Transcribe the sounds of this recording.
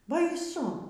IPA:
bɐɪˈsʊ

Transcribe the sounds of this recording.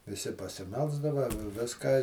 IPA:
ʋʲɪˈsʲɪ pɐsʲɪˈmʲɛlˠzdɐʋɐ ˈʋʲɪskɑː

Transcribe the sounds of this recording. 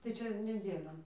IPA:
tɐɪ ˈt͡ʃʲɛ nʲɛˈdʲeːlʲoːn

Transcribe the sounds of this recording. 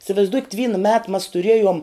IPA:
ɪsʋɐɪzˈdʊkʲɪt ˈʋʲiːnɐ mʲɛt mɐs tʊˈrʲiɛjoːm

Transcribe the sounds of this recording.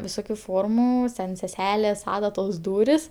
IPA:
ʋʲɪˈsoːkʲʊ ˈfoːrmʊ sʲɛn sʲɛˈsʲæːlʲeːs ˈɑːdɐtoːs ˈduːrʲɪs

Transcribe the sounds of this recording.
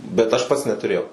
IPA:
bʲɛt ˈɐʃ ˈpɐts nʲɛtʊˈrʲeːjɛʊ

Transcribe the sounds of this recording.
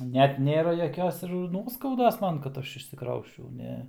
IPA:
ˈnʲɛt ˈnʲeːrɐ jɛˈkʲoːs ɪr ˈnuɔskɐʊdoːs ˈmɐn kɐt ˈɐʃ ɪʃʲsʲɪˈkrɐʊsʲt͡ʃʲɛʊ ˈnʲɛ

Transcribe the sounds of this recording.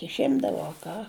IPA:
ɪʃʲˈɪmdɐʋoː ɐ ˈkɑː

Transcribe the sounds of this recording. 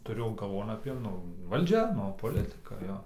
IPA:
tʊˈrʲʊ ɡɐlˠˈʋoːn ɐpʲiɛ ˈnʊ ʋɐlʲˈd͡ʒʲɛ ˈnʊ poːˈlʲɪtɨkɐ ˈjoː

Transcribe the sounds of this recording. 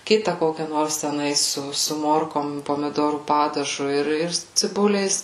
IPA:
ˈkʲɪtɐ ˈkoːkʲɛ ˈnoːrs tʲɛˈnɐɪs ˈsʊ sʊ ˈmoːrkoːm poːmʲɪˈdoːruː ˈpɑːdɐʒʊ ɪr ɪr t͡sʲɪˈbʊlʲɛɪs

